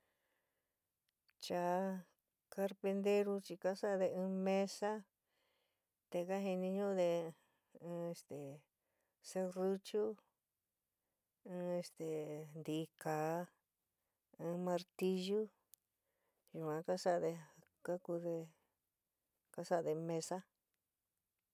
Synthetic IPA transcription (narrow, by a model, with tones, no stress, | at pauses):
t͡ʃa˨˧˦ | ka˧ɾpe˧nd̪e˧ɾu˧t͡ʃi˧ka˦sa˦ʔðe˧ɨ̃ː˧mẽ˦sa˦ | t̪e˧ka˦ɦi˧nĩ˧ɲũ˦˧ðe˧ | ɨ̃ː˦˧˦e˧st̪e˨ | se˧ru˦t͡ʃu˦ | ɨ̃˧e˧st̪e˨nd̪i˧kaː˨˦ | ɨ̃˧mã˧ɾt̪i˧ʒu˦ | ʒu˨ã˨˧ka˦sa˦ʔðe˧ | ka˦ku˧ðe˧ | ka˦sa˦˧ðe˧mẽ˧sa˦